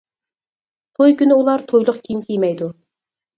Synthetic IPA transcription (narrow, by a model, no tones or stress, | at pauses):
t̪ʰojkʲynɪulˠɑɾt̪ʰojlˠʊqkʲʰiimkʲʰejmɛjd̪u